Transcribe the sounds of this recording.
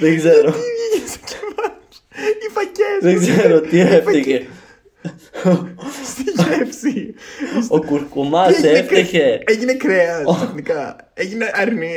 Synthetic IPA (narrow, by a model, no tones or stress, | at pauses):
ðeɡzeɾoscmɐ | ifɐceðeɡzeɾot̪ieft̪eçe | siʝefsi | okuɾkumɐseft̪eçeeʝinekɾeɐsɐnikɐ | eʝineʔɐɾni